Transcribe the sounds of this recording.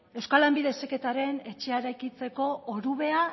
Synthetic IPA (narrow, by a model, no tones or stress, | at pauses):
e̞wskalambiðe̞seke̞t̪aɾe̞ne̞t͡ʃe̞aeɾajkit͡se̞ko̞oɾuβe̞a